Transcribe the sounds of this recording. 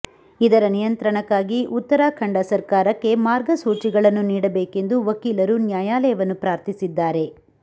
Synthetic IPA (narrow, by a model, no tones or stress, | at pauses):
id̪ɐɾɐnijɐnt̪ɾɐɳɐkːaːɡiʔut̪ːɐɾaːkʰɐɳɖɐsɐɾkaːɾɐkːe̞maːɾɡɐsuːt͡ʃiɡɐɭɐnːuniːɽɐbeːke̞nd̪uʋɐkiːlɐɾunjaːjaːlɐjɐʋɐnːupɾaːɾt̪ʰisid̪ːaːɾe̞